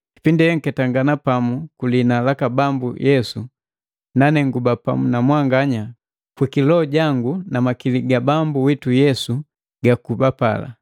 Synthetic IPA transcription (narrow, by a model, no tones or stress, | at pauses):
ki̥pindijɛŋ̩kɛtaŋɡanapamukulinalakabambṵjɛsu | nanɛŋɡubapa̰munamwaŋɡaɲa | kwikilɔːɟaŋɡunamakiliɡabambuwitujɛsu | ɡakubapa̰la̰